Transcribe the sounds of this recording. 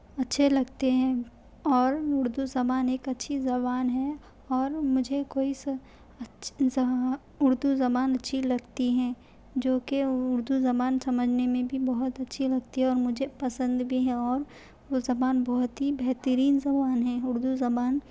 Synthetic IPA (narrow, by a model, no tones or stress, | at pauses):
ɐtːʃʰelɐɡt̪eɦɛ̃ | ɔːɾʊɾd̪uzɐbaːneːkɐtːʃʰizɐβaːnɦɛ | ɔːɾmʊd͡ʒʱekoːis | ʊɾd̪uzɐbaːnɐtːʃʰilɐɡt̪iɦɛ̃ | d͡ʒoːkeʊɾd̪uzɐbaːnsɐməd͡ʒʱnemẽbʱibɐɦʊt̪ɐtːʃʰilɐɡt̪iɦɛ̃ɔːɾmʊd͡ʒʱepɐsə̃nd̪bʱiɦɛ̃ɔːɾ | ozɐbaːnbɔɦʊt̪ɦibɛɦt̪əɾiːnzɐbaːnɦɛ̃ʊɾd̪uzɐbaːn